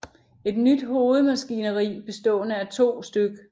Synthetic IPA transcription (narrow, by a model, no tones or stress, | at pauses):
e̝d̥nyd̥ho̝ːð̞̩ˠmæsɡ̥inəʁḭːb̥e̝sd̥ɔ̰̽ːnəæt͡sʰo̝̰ːsd̥øɡ̥ə